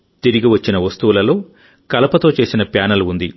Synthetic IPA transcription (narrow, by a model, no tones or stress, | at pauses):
t̪iɾiɡiʋɐt͡ʃːinɐʋɐst̪uʋulɐlo̞ː | kɐlɐpɐt̪o̞ːt͡ʃe̞ːsinɐpjaːnɐluund̪i